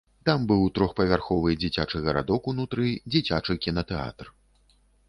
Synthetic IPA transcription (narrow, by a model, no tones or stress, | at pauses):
t̪ambɨwt̪ɾɔxpɐvʲarxɔvɨd͡zʲit͡sʲat͡ʂɨɣɐɾa̰d̪ɔkunut̪ɾɨd͡zʲit͡sʲat͡ʂɨkʲinɐt̪ɛa̰t̪r